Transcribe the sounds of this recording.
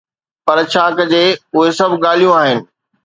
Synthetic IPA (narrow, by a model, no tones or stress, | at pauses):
pɐɾt͡ɕʰaːkd͡ʑeːʊɦesɐbʱɠaːl̤ijũaːɦɪnɪ̆